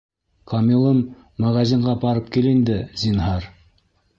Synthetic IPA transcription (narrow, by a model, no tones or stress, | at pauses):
kʰɑmilˠɤmː | æʁæzʲiɴɢɑbɑɾɤp̚kilind̪ɘzʲinɦɑɾ